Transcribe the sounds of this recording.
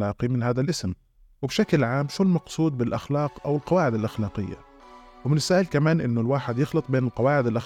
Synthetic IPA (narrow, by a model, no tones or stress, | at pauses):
ɑːqimɪnhaːðalʔɪsm | wɪbʃaklʕaːmʃulmɑqsˤuːd̪̚bɪlʔaxlɑːqʔawɪlqɑwaːʕɪd̪alʔaxlɑːqɪ̰jːa̰ | wɪmɪnɪsːaːhɪlkamaːnʔɪnːʊlwaːħɪd̪jɪxlɨt̪ˤbeːnɪlqɑwaːʕɪd̪alʔa